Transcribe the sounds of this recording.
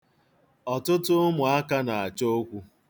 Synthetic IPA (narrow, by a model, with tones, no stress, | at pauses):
ɔ˨tʊ˦tʊ˦mʊ˨a˦ka˦na˨a˨t͡ʃo˦kʷu˦